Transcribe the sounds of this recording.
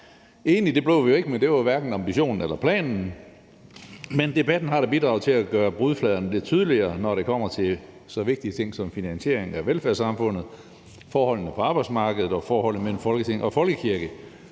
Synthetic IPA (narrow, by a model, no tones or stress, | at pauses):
e̝ːnlid̥e̝b̥le̝ʊ̰ʋioe̝ɡ̥əmend̥e̝ʋʋæɐɡ̥n̩ɑ̈mb̥iɕo̝̰ːnn̩elɐpʰlɛ̰ːnn̩ | mend̥e̝b̥æd̥n̩ɦɑ̈ɾ̥ɑ̈b̥id̥ʁɑ̈ʊt͡sʰe̝læɡ̥ɶːɐb̥ʁuðˠflɛðˠɐnəle̝d̥̚t͡sʰyːð̞ˠəliɐːnɒɾe̝kʰɒ̽m̰ɐt͡sʰe̝ | sɒ̽ʋe̝ɡ̥̚d̥iət͡sʰe̝ŋ̰sɒ̽mfinænɕe̝̰ɐ̰e̝ŋæʋelfæɐsɑ̈mfɔ̽n̰ð̩ˠ | fɒːhɒ̽l̰nəpʰɒ̽ɑ̈ːb̥ɑ̈ɪ̥smɑ̈ːɡ̥əð̩ˠɒ̽fɒːhɒ̽l̰n̩əmel̰m̩fɒ̽lɡət͡sʰe̝ŋ̰ʔɒ̽fɒ̽lɡ̥əkʰiɐɡ̥ə